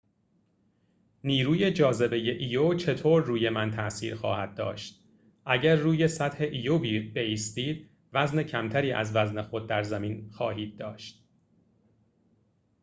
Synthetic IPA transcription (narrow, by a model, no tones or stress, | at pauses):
niːɾuːje̞d͡ʒɒːze̞be̞je̞ʔiːjot͡ʃʰe̞t̪ʰoːɾːuːje̞mænt̪ʰæʔsḭːɾxɒ̰ːhæd̪̚d̪ɒ̰ːʃt̪̚ | ʔæɟæɾːuːje̞sæt̪he̞ʔijobibe̞iːst̪iːd̪̥̚ | væzne̞cʰæmt̪ʰæɾiːʔæ̰zvæzne̞xo̞d̪̚ːæɾzæmiːnxɒːɦiːd̪̚ːɒːʃt̪̚